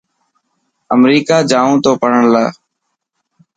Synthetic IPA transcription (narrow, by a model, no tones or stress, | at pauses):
əmɾiːkaːd͡ʒaːũːt̪oːpəɳ̤əɳlaː